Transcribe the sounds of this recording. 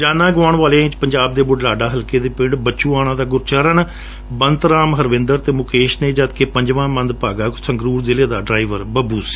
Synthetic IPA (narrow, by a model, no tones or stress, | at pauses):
d͡ʒaːnãːɡaːɳʋaːlẽːɪ̃t͡ʃpəɲd͡ʒaːb̚d̪eːbʊɖlaːɖaːɦəlkeːd̪eːpɪɳɖbət͡ʃːũːaːɽ̃ãːd̪aːɡʊɾt͡ʃaːɾəɳ | bənt̪ɾaːmɦəɾʋɪ̃nd̪əɾt̪eːmʊkeːʃneːd͡ʒət̪keːpəɲd͡ʒʋãːmə̃nd̪paːɡaːsəŋɡɾuːɾzɪleːd̪aːɖɾaːɪʋəɾbəbuːsi̥ː